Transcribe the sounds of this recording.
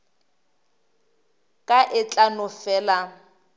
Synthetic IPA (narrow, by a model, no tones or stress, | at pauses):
kʼaʔɪt͡ɬʼanʊfɛːla